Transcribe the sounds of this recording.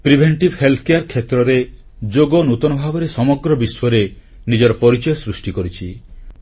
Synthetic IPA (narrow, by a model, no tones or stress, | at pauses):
pɾibʱeɳʈibhelt̪ʰɔ̥kejaɾkʰet̪ɾɔɾe | d͡ʒoɡɔnut̪ɔnɔbʱabɔɾesɔmɔɡɾɔbiswɔɾe | nid͡ʒɔɾɔpɔɾit͡ʃɔjɔsɾusʈikɔɾit͡ʃʰi